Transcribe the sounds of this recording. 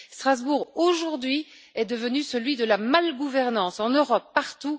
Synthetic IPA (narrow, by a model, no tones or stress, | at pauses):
st̪χazbuʁoʒuʁd̪ɥi | ɛd̪əvənysəlɥid̪əlamalɡuvɛʁnɑ̃sɑ̃nøʁɔpːaʁt̪u